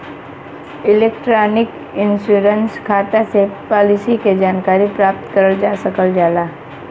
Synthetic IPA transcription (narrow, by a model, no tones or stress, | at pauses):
ɪleːkʈɾaːnɪk | ɪ̃nsuːɾənskʰaːt̪asepɔːlɪsiked͡ʒaːnkaːɾipɾaːp̚t̪kəɾəld͡ʒaːsəkəld͡ʒaːlaː